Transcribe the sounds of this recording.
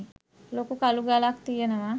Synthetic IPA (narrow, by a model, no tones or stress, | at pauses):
lokukaluɡalak̚t̪ijenəʋa